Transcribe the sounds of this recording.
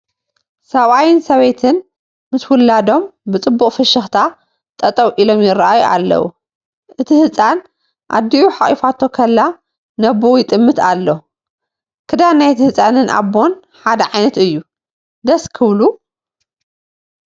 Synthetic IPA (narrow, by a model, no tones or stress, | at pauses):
sɐβajɪnsɐβejt̪ʰɨn | mɨswʊlːad̪o̞mbɨt͡sʼɨbːuχʼfɐʃɨxt̪ʰa | t̪ʼɐt̪ʼɐwʔilo̞mjɪrːaʔajuʔa̰lːɐ̰wṵ | ʔɨt̪ʰihɨt͡sʼan | ʔa̰d̪ːiuħaχʼifat̪ʰːo̞kʰɐlːa | nɐbojɪt̪ʼɨmːɨt̪alːo | kʰɨd̪anajt̪ʰhɨt͡sʼanɨnʔa̰bːo̞n | ħad̪ɐʕajnɐt̪ɨjːu | d̪ɐskʰɨβlu